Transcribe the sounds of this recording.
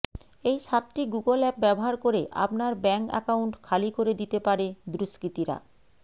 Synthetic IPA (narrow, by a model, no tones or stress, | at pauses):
ejʃat̪ʈiɡuɡolɛp̚bɛboɦaɾkoɾeʔa̰pnaɾbɛŋkɛ̰kawuɳʈkʰalikoɾed̪it̪epaɾed̪ɾuʃkɾit̪iɾa̰